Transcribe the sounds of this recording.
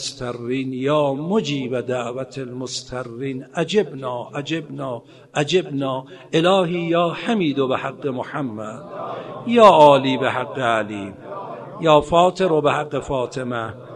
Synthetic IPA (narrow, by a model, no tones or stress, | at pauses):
st̪ʰarːiːnjɑːmod͡ʒiːbæd̪aʔvat̪ʰelmost̪ʰarːiːnæd͡ʒebnɑːʔæd͡ʒebnɒː | ʔæd͡ʒebnɒːʔelɒːhiːjɒːhamiːd̪obehaɡːemoħamːæd̪̥jɒːʔɒːliːbehaɡːealiːm | jɒːfɒːt̪ʰeɾobehaɡːefɒːt̪ʰemæ